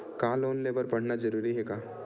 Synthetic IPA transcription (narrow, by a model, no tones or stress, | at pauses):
kãːloːnleːbəɾpɐɽ̤nad͡ʒɐɾuːɾiɦɛkaː